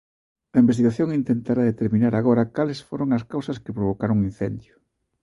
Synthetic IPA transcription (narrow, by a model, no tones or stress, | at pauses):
ɐimbest̪iɣaθjoŋint̪ent̪aɾaðet̪eɾminaɾaɣoɾɐkalesfoɾoŋɐskawsɐskɪpɾoβ̞okaɾoŋin̟θend̪jʊ